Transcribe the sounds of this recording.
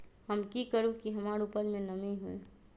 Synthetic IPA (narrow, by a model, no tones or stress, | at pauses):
həmkikəɾukiɦɐmaːɾupəlmẽnɐmiɦuḛ